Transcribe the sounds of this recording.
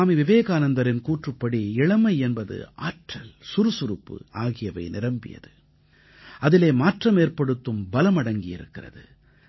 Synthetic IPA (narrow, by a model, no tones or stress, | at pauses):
aːmiʋɪʋeːɣaːnɐnd̪ɐɾɪnkuːʈrɯpːɐɽiɪɭɐmɐɪɛnbɐðɯ̰a̰ːʈrɐlsʊɾɯsʊɾɯpːɯ̰aːɣɪjɐʋɐ̰ɪnɪɾɐmbɪ̰jɐ̰ðɯ | ʔɐðɪleːmaːʈrɐmeːrpɐɽɯt̪ːɯmbɐlɐmɐɽɐŋɡɪjɪ̰ɾɯ̰kːɪrɐ̰ðɯ̰